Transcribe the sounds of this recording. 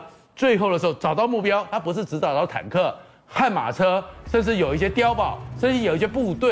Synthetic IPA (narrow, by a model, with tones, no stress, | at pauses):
t͡swe˥˧ɪxo˥˩d̪ə˩ʂ̩˧xo˥˧˩t͡sɑ˨˩ʊt̪ɑ˥˧ʊmu˥˩pjɑ˥ʊt̪ʰa˥pu˧˥ʂ̬ɻ̩˥˩ʈ͡ʂɻ̩˧˥t͡sɑ˨˩ʊt̪ɑ˥˩ʊt̪ʰa̰˨˩nkʰɤ˥˩ | xa˥˩nma̰˨˩ʈ͡ʂʰɤ˥ʂə˥˧nʂɻ̩˥˩jo˨˩ʊi˥˩ɕ̬jɛ˥t̪jɑ˥ʊpɑ˨˩˦ʊʂə˥˧nɻ̩˥˩jo˨˩ʊi˥˩ɕjɛ˥pu˥˧˩t̪we˥˩